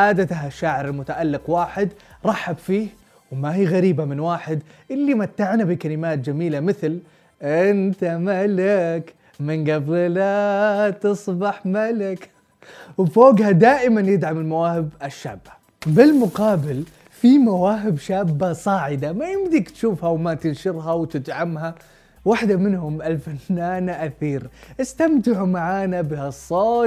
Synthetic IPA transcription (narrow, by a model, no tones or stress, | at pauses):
ʔaːd̪at̪aɦʔaʃːaːʕɪɾalmʊt̪aʔalːɪqwaːħɪd̪ɾˤɑħːabfiːh | wmahiːɣaɾiːbamɪnwaːħɪd̪ʔɪlːimat̪ːaʕnabikalɪmaːt̪̚d͡ʒamiːlamɪθl | ʔɪnt̪amalɪk | mɪnɡabɪllat̪ɨsˤbɑħmalɪk | wfoːɡhad̪aːʔɪmanjɪd̪ʕamɪlmawaːhɪbaʃːa̰ːbːḁ | bɪlmʊqɑːbɪl | fimawaːɦɪbʃaːbːasˤɑːʕɪd̪amajɪmd̪ikt̪ʃuːfhawmat̪ɪnʃɪɾɦawt̪ɪd̪ʕamɦa | waħd̪amɪnhʊmʔalfanːaːnaʔaθiːɾʔɪst̪amt̪ɪʕumaʕaːnabɪhasˤːoː